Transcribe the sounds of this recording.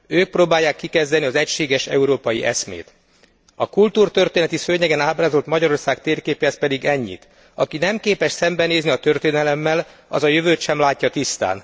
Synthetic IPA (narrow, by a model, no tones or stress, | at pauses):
øːk̚proːbaːjːaːkːikɛzd̪ɛniɒzɛcʃeːɡɛʃɛ̰uɾoːpɒjiʔɛsmḛːt̪ | ɒkult̪uːrt̪ørt̪eːnɛt̪isøːɲɛɡɛnaːbraːzo̞lt̪mɒɟɒɾo̞rsaːkt̪eːrkeːpɛspɛd̪iɡɛɲːḭt̪ | ɒkinɛmkeːpɛʃsɛmbɛneːzniɒt̪ø̞rt̪eːnɛlɛmːɛlɒ̰zɒjøvøːt̪ʃɛmlaːcːɒt̪ist̪a̰ːn